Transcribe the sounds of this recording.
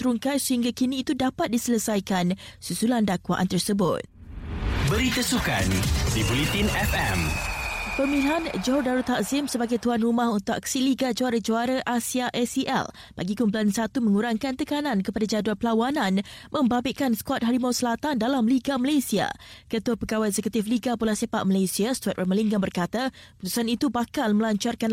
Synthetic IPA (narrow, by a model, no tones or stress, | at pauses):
t̪ɾuŋkansəhiŋɡakinĩːt̪udapat̪̚disələsajkansusulandakwa̰ʔa̰nt̪ərsəbʊ̰t̪̚ | bəɾit̪əsuka̰nsibolit̪inɛfɛ̰m | pəmĩliɦand͡ʒɔrdaɾut̪haʔzɪmsəbaɡajt̪uanrumãhunt̪ʊʔa̰ksiliɡad͡ʒoaɾad͡ʒoaɾaʔasiaʔɛsiʔɛ̰l | ba̰ɡikumblansat̪umə̃ŋuɾaŋkant̪əkanãnkəpadad͡ʒaduanpəlawanãnmə̃mbabɪʔkanskwɔt̪̚ɦaɾimawsəlat̪andalamliɡaməlasia̰kət̪uapəɡawaɛzekut̪ifliɡapulasepa̰ʔ̚məlasiast̪wɔt̪ʔɛməliŋɡanbərkat̪aput̪u̥sanit̪ubakalməlaɲt͡ʃarkan